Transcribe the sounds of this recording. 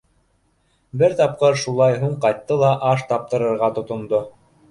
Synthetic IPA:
bɘɾt̪ɑp̚qɤɾʃulˠɑjɦuɴqɑjt̪ːɤlˠɑʔɑʃt̪ɑp̚t̪ɤ̆ɾɤ̆ɾʁɑt̪ŏt̪ŏnd̪o

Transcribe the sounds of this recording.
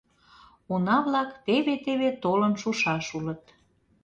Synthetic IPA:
unɑβlɑkt̪eβet̪eβet̪olənʃuʃɑʃulət̪

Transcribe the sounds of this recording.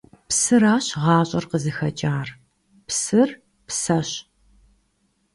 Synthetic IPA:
psɨɾaːɕʁɑːɕʼɐrqəzɨxɐt͡ʃʼaːr | psɨr | psɐɕ

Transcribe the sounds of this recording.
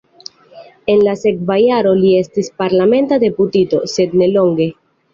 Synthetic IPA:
e̞nlase̞kvajaɾo̞lie̞stispaɾlame̞ntade̞putito̞̰se̞dne̞lo̞ŋɡe̞

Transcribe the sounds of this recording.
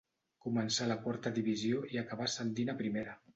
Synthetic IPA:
kumənsaləkwaɾt̪əðiβ̞izioiakəβ̞asənt̪̬inapɾimeɾə

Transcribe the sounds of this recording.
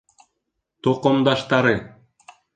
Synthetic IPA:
t̪oqŏmd̪ɑʃt̪ɑɾɤ

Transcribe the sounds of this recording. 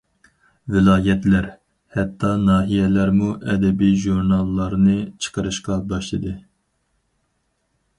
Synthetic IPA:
vɪlˠɑːjɛt̪læɾ | hɛt̪ʰːɑnɑːɦijɛlæɾmuʔɛd̪ɛbijʒuɾnɑlˠːɑɾnɨt͡ʃʰə̥qəɾɨʃqɑbɑʃlˠɨd̪ɨ

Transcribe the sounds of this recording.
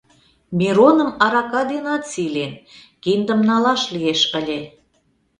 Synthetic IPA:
mʲiɾonə̆mɑɾɑkɑd̪enɑt̪silen | kind̪ə̆mnɑlɑʃlieʃə̆lʲe

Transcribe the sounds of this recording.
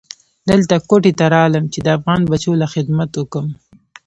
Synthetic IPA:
d̪əlt̪akoʈet̪aɾɑləmt͡ʃed̪əafɣɑnbat͡ʃolaxɪd̪mat̪wʊkəm

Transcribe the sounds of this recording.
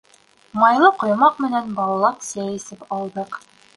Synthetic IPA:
mɑjlˠɤqŏjmɑqmɘ̆nænbɑlˠɑlˠɑpsæjɘ̆sɘpɑlˠd̪ɤq

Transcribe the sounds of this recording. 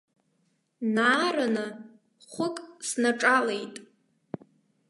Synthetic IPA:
naːranɨ | χʷʊkʼsnaʈ͡ʂʼalejtʼ

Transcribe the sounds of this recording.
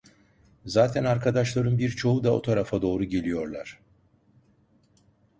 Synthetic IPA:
zaːt̪ʰænaɾkʰad̪aʃlˠaɾɯnbiɾt͡ʃʰo̞ud̪ao̞̰t̪ʰaɾafad̪o̞ːɾuɟe̞lʲijo̞ɾlˠaɾ̥

